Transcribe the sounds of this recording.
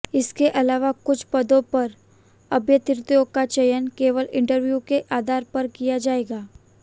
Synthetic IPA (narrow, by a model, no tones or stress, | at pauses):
ɪskeʔɐlaːʋakʊt͡ʃʰpɐd̪õpɐɾ | ɐbjət̪ɪɾt̪joːkat͡ʃɐjənkeːʋəlɪ̃ɳʈəɾʋjuːkeʔaːd̪ʱaːɾpɐɾkijad͡ʒaːeːɡaː